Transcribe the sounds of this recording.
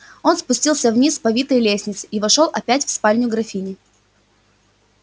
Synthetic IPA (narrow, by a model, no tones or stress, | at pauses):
o̞nspʊsʲtʲilˠsʲəvnʲispɐvʲit̪əjlʲesʲnʲɪt̪sɨivɐʂolˠʔɐpʲætʲfspalʲnʲʊɡɾɐfʲinʲɪ